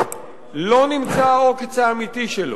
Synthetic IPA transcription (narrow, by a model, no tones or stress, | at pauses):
lo̞nimt͡saoket͡saːmit̪iʃelo̰